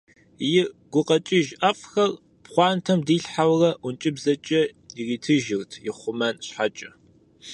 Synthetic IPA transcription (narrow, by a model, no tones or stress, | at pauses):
jɪɡ̥ʷʊqʼɐt͡ʃʼɪʒɐfʼxɐr | pχʷɑːntʰɐmdiːɬħawrɐʔʊnt͡ʃʼɪbzɐt͡ʃʼɐiriːtʰɨʒɪrtʰjɪχʷʊmɐnɕħat͡ʃʼɪ